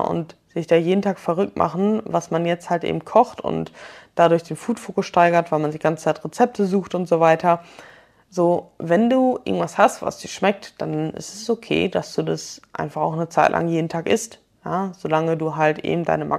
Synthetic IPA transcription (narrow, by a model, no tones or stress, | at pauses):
ʔʊ̰ntz̥ɪçd̥aːjeːdn̩tʰaːkfɛʁʏk̚t̚mʔa̰χn̩vasmanjɛt͡sthaltʔḛːbm̩kʰɔχtʊ̰ntd̥adʊɐçd̥eːnfuːtfoːkʊsʃtaɪɡɐtv̥aɪlmandiːɡant͡sə̥t͡saɪtʁet͡sɛp̚tʰəzuːxtʊntz̥ovaɪtʰɐ | zoːvɛnduːʔɪ̰ɡŋ̩tv̥ashastva̰sd̥iːɐʃmɛk̚td̥anʔɪ̰stɛsokʰḛːd̥asd̥uːdasʔa̰ɪnfaχaʊxnət͡saɪtlʔa̰ŋjeːdn̩tʰaːkʔɪ̰st | jaːz̥olaŋəduːɦaltʔḛːbm̩da̰ɪnəmʔa̰